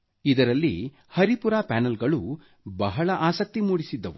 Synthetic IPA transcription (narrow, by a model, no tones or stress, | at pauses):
id̪ɐɾɐlːḭ | hɐɾipuɾaːpaːnɐlɡɐɭu | bɐɦɐɭɐʔaːsɐk̚t̪imuːɽisid̪ːɐʋu